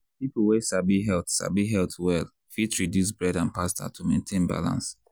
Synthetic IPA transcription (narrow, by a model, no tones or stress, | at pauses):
pipuwɛʃabiɦɛltʃa̰biɦɛltwɛl | fitɹidjus̬bɹɛdãnpastʰa̰tʰumẽntʰẽnba̰lã̰ns